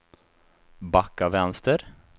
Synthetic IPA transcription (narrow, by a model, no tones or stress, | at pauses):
bakːavɛnst̪əɾ